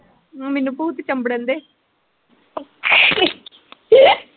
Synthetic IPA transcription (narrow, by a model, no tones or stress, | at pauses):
mɪnːũːpuːt̪t͡ʃəmbəɽənd̪eː